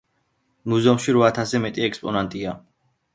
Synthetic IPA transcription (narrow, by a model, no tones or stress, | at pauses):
muzɔmʃiɾɔat̪ʰasɛmɛt̪ʼiɛkspʼɔnant̪ʼia